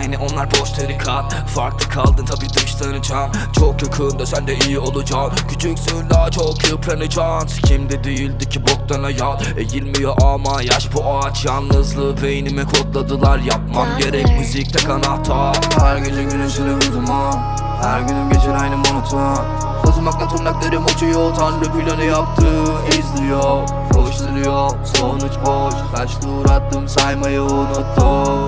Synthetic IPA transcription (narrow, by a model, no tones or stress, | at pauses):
jnɛonlˠaɾbo̞ʃt̪ʰaɾɯkʰat̪ | faɾklˠɯkʰalˠd̪ɯnt̪ʰabiːd̪ɯʃt̪ʰanɯd͡ʒaːm | t͡ʃʰokjokʰuːnd̪asænd̪ɛijio̞lˠud͡ʒaːmcʰyt͡ʃʰycsølaːt͡ʃʰokʰopʰɾʲanɯd͡ʒaːnscʰimd̪id̪yjylʲd̪icʰibok̚t̪ʰanajalˠ | ɛjilʲmijoʔamajaʃbuʔa | t͡ʃjanːɯzlˠɯvejinimɛkʰot̪lˠad̪ɯlˠaɾjap̚mamɟe̞ɾɛc̚myzic̚t̪ʰɛkʰanat̪ʰahæɾɡed͡ʒʰɛɡynymsyɾymuzma | hæɾɡynymɟet͡ʃʰiɾajnɪmonut̪ʰma | kʰozumaklˠat̪ʰunːacʲlʲeɾɪmot͡ʃʰujot̪ʰanɾɯpyjlʲenɪjap̚t̪ʰɯ | ezd̪ɾjoɾ | oʃluɾɯjosonut͡ʃboʃaʃd̪uːɾat̪ːɯmsajmajaonut̪ʰːɯ